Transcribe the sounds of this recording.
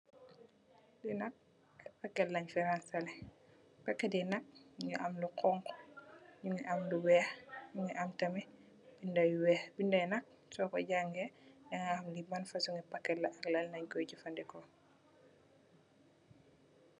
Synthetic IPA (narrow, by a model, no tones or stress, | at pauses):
dinɐk̚ | pɐkːɛlːɐɲfɛɾansɐlɛ | pɐkːɛdinɐk̚ɲuʔɐmluqɔŋkɔ̥ɲuŋiʔɐmluwɛːxɲuŋiʔɐmtɐmɛ | b̥indɐjwɛːbindɐjnɐk̚ | sɔkɔɟaŋɡɛɲaŋamlibɐnfɐsuŋɛpɐkːɛlːɐʔɐklɐlnɐɲkɔjɟufɐndɛkɔ